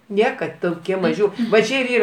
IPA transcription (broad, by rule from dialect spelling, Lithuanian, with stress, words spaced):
ˈnʲiɛkɐt toːˈkʲiɛ ˈmɑːʒʲʊ ʋɐ ˈt͡ʃʲɪ ɪr ˈiːrɐ